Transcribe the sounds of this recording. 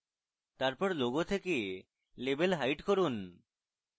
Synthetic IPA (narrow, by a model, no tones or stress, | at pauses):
t̪aɾpɔɾloɡot̪ʰeke | lebelɦajʈkoɾun